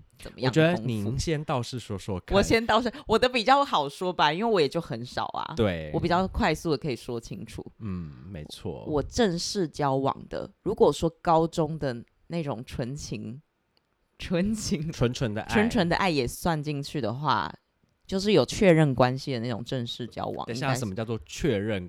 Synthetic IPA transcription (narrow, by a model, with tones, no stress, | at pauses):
t͡sə˨˩mə̰˦jɑ˨˧ŋt͡ɕɥɛ˧˦d̪ə˧˥ŋni˨˦ɕjɛ˥nt̪ɑ˥˧ʊʂɻ̩˥˩ʂwɔ˥ʂwɔ̰˥kʰwɔ˨˩ɕjɛ˥nt̪ɑ˥˧ʊʂɻ̩˥˩wɔ˨˩d̪ə˦pi˨˩t͡ɕjɑ˥˩ʊxɑ˨˩ʊʂwɔ˥ba˨i˥nwe˥˩ɪwɔ˧˦jɛ˨˩t͡ɕjo˥˩ʊxə˧˦nʂɑ̰˨˩ʊa̰˩t̪we˥˩ɪɔ˦˥pi˨˩t͡ɕjɑ˥˩ʊkʰwa˥˧ɪsu˥˩d̪ə˩kʰɤ˧˥i˨˩ʂwɔ˦˥t͡ɕʰi˥ŋʈ͡ʂʰṵ˨˩˦n̩˥˩me˧˦ɪt͡sʰwɔ̰˥˩wɔ˨˩ʈ͡ʂə˥˧ŋʂɻ̩˥˩t͡ɕjɑ˦˥ʊwɑ̰˨˩ŋd̪̥ə̰˦ɻu˧˥kwɔ˨˩ʂwɔ˥kɑ˥ʊʈ͡ʂʊ˦ŋd̪ə˨ | na˥˩ɪʈ͡ʂʊ˨˩ŋʈ͡ʂʰwə˧˦nt͡ɕʰi˧˥ŋ | ʈ͡ʂʰwə˧˦˥nt͡ɕʰi˧˥ŋʈ͡ʂʰwə˧˦nʈ͡ʂʰwə˧˦nd̪ə̰˧ʔʈ͡ʂwə˧˦nʈ͡ʂʰwə˧˦nd̪ə̰˧ʔa˥˩ɪjɛ˨˩swa˥˧nt͡ɕi˥˧ŋt͡ɕʰy˥˩d̪ə˩xwa̰˥˩ | t͡ɕjo˥˧ʊʂ̬ɻ̩˥˩jo˨˩ʊt͡ɕʰɥɛ˥˧ɻə˥˩nkwa˦nɕi˨d̪ə˩na˥˩ʈ͡ʂʊ̰˨˩ŋʈ͡ʂə˥˧ŋʂɻ̩˥˩t͡ɕjɑ̰˥ʊwwɑ̰˨˩ŋ˨i˥a˥˧˥ə˨˩mə˦t͡ɕjɑ˥˧ʊt͡swɔ˥˧t͡ɕʰɥɛ˥˧ɻə˥˨n